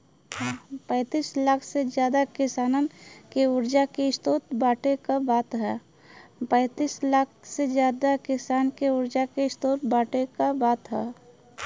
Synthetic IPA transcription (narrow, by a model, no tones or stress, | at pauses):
pɛ̃ːt̪iːslakʰsed͡ʒjaːd̪akɪsaːnənkeʊɾd͡ʒakeɪst̪oːt̪̚baːʈekabaːt̪ɦɛː | pɛ̃ːt̪iːslaːkʰsed͡ʒjaːd̪akɪsaːnkeʊɾd͡ʒakeɪst̪oːt̪baːʈekabaːt̪ɦɛː